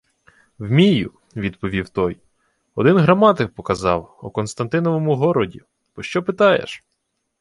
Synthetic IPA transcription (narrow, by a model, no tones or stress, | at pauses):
wmʲijʊ | ʋʲid̪pɔʋʲiwt̪ɔj | ɔd̪ɪnɦɾɐmɑt̪ɪkpɔkɐzɑwukɔnst̪ɐnt̪ɪnɔʋɔmʊɦɔɾɔdʲḭ | b̥ɔʃt͡ʃɔpɪt̪ɑjḛʃ